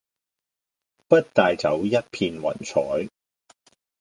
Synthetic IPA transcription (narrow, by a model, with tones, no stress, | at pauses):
pɐ˥t̚t̪aː˨jt͡sɐ˨˥wjɐ˥t̚pʰiː˧nwɐ̰˨˩nt͡sʰɔː˨˥j